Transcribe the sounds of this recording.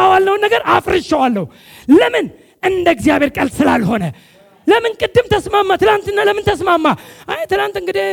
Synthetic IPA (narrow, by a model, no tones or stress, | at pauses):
awalnəwnːəɡəɾafɾɨt͡ʃːəwalːəhu | ləmɨn | ʔɨnd̪əɡzijaβeɾkʼəlsɨlalho̞nə | ləmɨnkʼɨd̪ːɨmt̪ʰəsmamːat̪ʰɨlant̪ɨnːaləmɨnt̪ʰəsmamːaʔajet̪ɨlant̪ɨŋɡɨd̪e